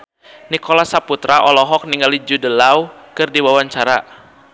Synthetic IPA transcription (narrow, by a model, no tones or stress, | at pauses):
nikɔlasaput̪ɾaʔɔlɔɦɔk̚niŋɡalid͡ʒudəlaukɨrdiwawaɲt͡ʃaɾa